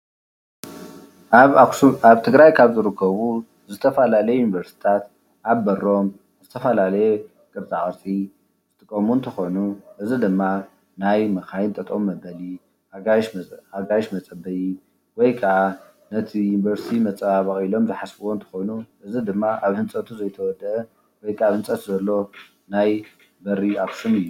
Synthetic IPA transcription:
aβt̪ʰɨɡɾajkʰaβzɨɾɨkʰːɐβu | zɨt̪ʰɐfɐlalɐjejunivɐɾst̪ʰi̥t̪ʰat̪ | ʔabːɐɾo̞m | zɨt̪ʰɐfɐlalɐje | kʼɨɾt͡sʼaʔʼɨɾt͡sʼi | z̥ɨt̪ʼɨkʼːɐmunt̪ʰɐxo̞nuʔɨzid̪ɨmːa | najmɐkajɪnt̪ʼɐt̪ʼomːɐbɐli | aʃaɡajʃmɐt͡sʼɐbɐji | wɔjkʰɐa | nɐt̪ʰijuniβɐɾsit̪ʰimɐt͡sʼβaβɐχʼilo̞mzɨħasbɨwont̪ʰɐ̥xo̞jnuʔɨzid̪ɨmːaʔaβhɨnt͡sʼɐt̪ʰuzɐjt̪ʰɐwɔd̪ɐʔɐ | wɔjkʰaaβhɨnt͡sʼɐt̪ʰuzɐlːo̞ | naj | bɐɾiaksɨnɨjːu

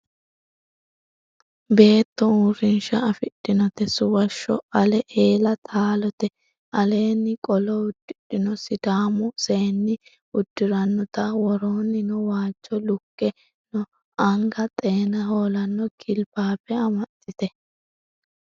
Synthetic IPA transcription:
be̞ːt̪ːɔuːɾɪnʃɐɐfɪɗːɪnɔt̪ɛsʊwɐʃːɔ̰ɐlɛʔeːlɐt̪ʰaːlɔt̪ɛ | ʔɐle̞ːnːɪkʼɔlɔʊd̪̥ːɪᶑɪnɔsɪd̪aːmʊseːnːɪ | ʊd̪̥ːɪɾɐnːɔt̪ɐwɔɾoːnːɪnɔwaːt͡ʃːɔlʊkːɛ | nɔ | ʔɐŋɡɐt̪ʼe̞ːnɐɦoːlɐnːɔkʰɪlbaːfɛɐmɐt̪ːɪt̪ɛ

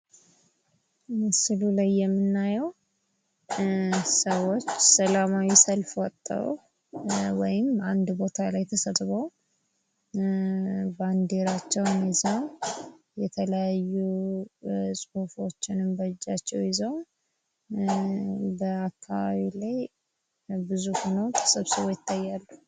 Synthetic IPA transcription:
sɨlulajːɛmːɨnːajɛw | səwo̞t͡ʃːsəlamawisəlfwɔt̪ʼːə̰ɾ̰ | wɔjɪmand̪bo̞t̪ʰalajt̪ʰəsət̪ʼβəw | band̪eɾat͡ʃːɛwnjɪzəw | jɛt̪ʰələjajːu | sʼuhufo̞t͡ʃːɪnɨmbəd͡ʒːat͡ʃːɛwjɪzəw | bəakʰːaβa̰βilaj | bɨzuhunəwt̪ʰʼɨ̥sʼɨβsɨβojɪt̪ʰːajːalːu

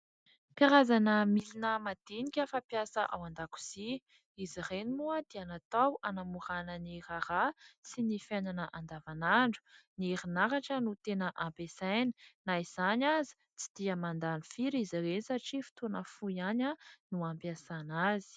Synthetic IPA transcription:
piɾazanəmilinəmad̪̥enikʲəfapjasəʔawand̪aku̥z̥i | izirenimuəd̪̥eanat̪awanamuɾanəniraɾasinifananəʔand̪avanaɳɖ͡ʐu̥nieɾinaɾaʈ͡ʂənut̪enəʔampesajni̥naiz̥anʲazi̥ | t͡si̥d̪̥iəmand̪anifiɾizirenisaʈ͡ʂifi̥t̪unəfujananuampjasanazi̥

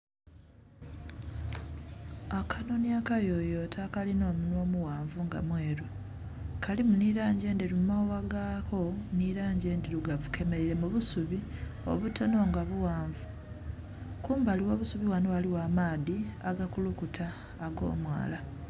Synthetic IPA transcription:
akʰanoniakajo̞jotʰakalino̞ːmunwo̞ːmuwaːɱvuŋɡa̰mwe̞ːɾu | kʰalimuniɾaːɲɟe̞ːndiɾumawaɡakʰo̞niɾaːɲɟe̞ːndiɾuɡavukʰe̞me̞ɾiɾe̞muβusuβio̞̰βutʰo̞no̞ŋɡaβuwaːɱvu | kuːmbaliwo̞ːβusuβiwanowaliwamaːðiaɡakulukutʰaː | ɡo̞̰ːmwa̰ːla

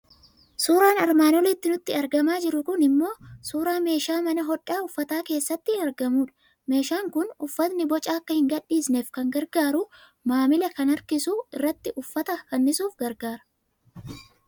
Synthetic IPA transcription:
suːɾaːnɐɾmaːnɔlɪt̪ːɪnʊt̪ːɪɐɾɡɐmaːd͡ʒɪɾʊkʊnɪmːo̞ːsuːɾaːme̞ːʃaːmɐnɐɦɔᶑːaːʊfːɐt̪aːke̞ːsːɐt̪ːɪhnɐɾɡɐmuːᶑɐ̥ | me̞ːʃaːŋkʊnʊfːɐt̪nɪbɔt͡ʃʼaːɐkːɐhɪŋɡɐᶑːiːsne̞ːfkɐŋɡɐɾɡaːɾʊ | maːmɪlɛkɐnɐɾkɪsuːɪrːɐt̪ːɪʔʊfːɐt̪ɐkɐnːɪsuːfɡɐɾɡaːɾɐ̥

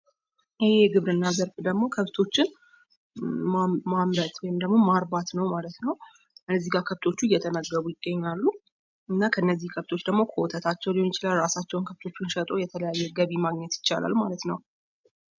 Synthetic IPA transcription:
ʔɪheɡɨβɾɨnːazəɾfd̪əɡmo̞kʰəft̪ʰo̞t͡ʃːɪn | mamamɾət̪wɔjɪmd̪əɡmo̞maɾbat̪nəwmalət̪nəw | kɨnːəzːihɡakʰəβt̪ʰo̞t͡ʃːujɛt̪ʰəməɡːəβujɪɡːəɲːalːu | ɨnːakʰəɨnːəzːihkʰəβt̪ʰo̞t͡ʃːd̪əɡmokʰəwɔt̪ʰət̪ʰat͡ʃːɛwlihojɪt͡ʃɪlalɾasat͡ʃːɛwʊnkʰəβt̪ʰo̞t͡ʃːunʃət̪ʼo̞jɛt̪ʰələjajːɛɡəβimaɡɲɛt̪jɪ̥t͡ʃːa̰la̰lmalət̪nəw

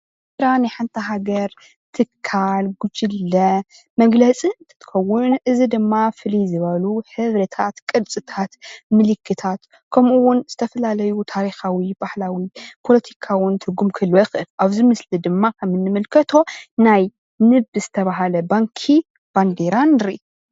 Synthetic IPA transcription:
ɾanajħant̪ʰɐɦaɡɐɾ | t̪ʰɨkʰːalɡud͡ʒɪlːɐ | mɐɡlɐt͡sʼiɨnt̪ʰɐ̥t̪ʰɨ̥xɐwːʊnʔɨzid̪ɨmːafɨlizɨβɐluħɨβɾɐt̪ʰat̪kʼɨd̪t͡sʼɨt̪ʰat̪mɨlɨkʰːɨt̪ʰat̪ | kʰɐmʔuwʊnz̥ɨt̪ʰɐfɐlalɐjut̪ʰaɾixawib̥ahlawipʰo̞lɐt̪ʰi̥kʰawʊnt̪ʰɨɡumkʰɨlojɪxʔɨlʔaβzimɨslid̪ɨmːakʰɐmɨnːɨmɨlkʰɐt̪ʰo̞naj | nɨbɨzɨt̪ʰɐβaɦalɐbaŋkʰi | b̥and̪eɾanɨɾ

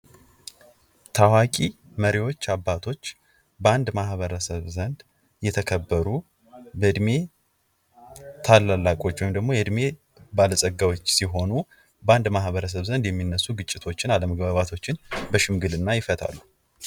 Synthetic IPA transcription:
t̪ʰawakʼi | məɾiwo̞t͡ʃːabːat̪ʰo̞t͡ʃː | bəand̪mahβəɾəsəβzənd̪ | jɛt̪ʰəkʰəbːəɾu | bəd̪me̞ | t̪ʰalːalːakʼo̞t͡ʃːwɔjmd̪əɡmo̞jɛd̪me̞ | baləsʼəɡawot͡ʃːsiɦo̞nu | bəand̪mahβəɾəs̬əβzənd̪jɛmːinːəsːuɡɨt͡ʃʼːɪt̪ʰo̞t͡ʃːɪnaləməɡbaβat̪ʰo̞t͡ʃːɪnbəʃɪmɡɨlɨnːajɪfət̪ʰa̰lːu

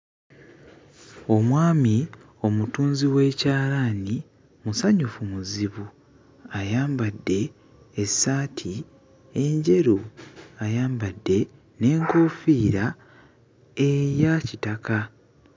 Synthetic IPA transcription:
o̞mwaːmi | o̞mutuːnziwe̞ːcaːlani | musaɲufumuziβu | ajaːmbadːe̞ː | sːaːtʰi | e̞ɲɟe̞ɾuajaːmbadːe̞ | ne̞ːŋko̞ːfiːɾa | e̞jacitaka

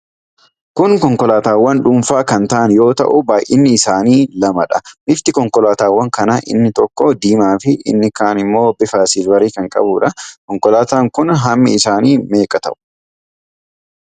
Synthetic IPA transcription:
kʊŋkɔŋkɔlaːt̪aːwːɐnᶑʊmfaːkɐnt̪ɐʔɐnjo̞ːt̪ɐ̰ʔʊbaːjʔɪ̰nːɪːsaːniːlɐmɐᶑɐmɪft̪ɪkɔŋkʼɔlaːt̪aːwːɐŋkɐnaːʔɪ̰nːɪt̪ɔkːɔd̪iːmaːfɪʔɪ̰nːɪkaːnɪmːo̞ːbɪfaːsiːlwɐɾiːkɐŋkʼɐ̰buᶑɐkɔŋkɔlaːt̪aːŋkʊnɦɐmːɪ̰ɪsaːniːme̞ːkʼɐt̪ɐ̰ʔʊ̥

